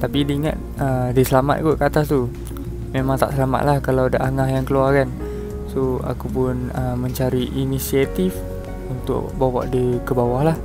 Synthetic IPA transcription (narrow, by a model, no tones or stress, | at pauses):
t̪apidiŋa̰t̪̚ədisəlama̰t̪̚ɡoʔkəat̪ast̪u | memaŋt̪a̰ʔsəlama̰t̪̚lahkalawadaʔaŋaɦjaŋkəluarkan | soa̰kupʊnəmə̃ɲt͡ʃaɾiʔinisiat̪if | unt̪ʊ̰k̚bawa̰ʔdikəbawahlah